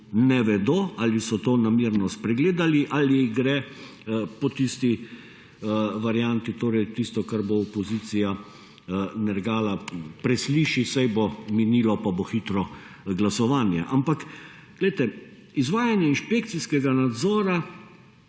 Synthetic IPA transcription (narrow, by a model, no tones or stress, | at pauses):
nɛʋɛd̪oːalisɔt̪oːnamiɾnɔspɾɛɡleːd̪aliʔaliɡɾɛ | pɔt̪ist̪i | ʋaɾjant̪it̪oːɾɛjt̪ist̪ɔkaɾboɔpɔziːt̪sija | nɛɾɡaːlapɾɛsliːʃisajbominiːlɔpaboxit̪ɾɔ | ɡlasɔʋaːnja̰ʔampak | ɡ̥lɛjt̪ɛ | izʋaːjanjɛinʃpekt̪siskɛɡanad̪zɔːɾa